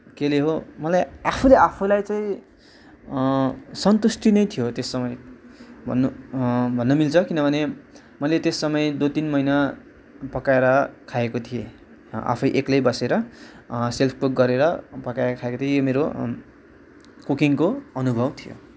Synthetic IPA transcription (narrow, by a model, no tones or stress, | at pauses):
keleɦomʌlajapʰulejapʰulajt͡saĩ | sʌnt̪usʈinʌjt̪ʰijot̪esːʌmʌjbʱʌ̰nːubʱʌnːʌmilt͡sʰʌkinʌbʱʌne | mʌjlet̪esːʌmʌjd̪ot̪inmʌjna | pʌkaeɾʌkʰaekot̪ʰie | a̰pʰʌjʔeklejbʌseɾʌ | selpʰkokɡʌɾeɾʌpʌkaeɾʌkʰaekot̪ʰiejomeɾo | kukiŋkoʌnubʱʌbt̪ʰijo̰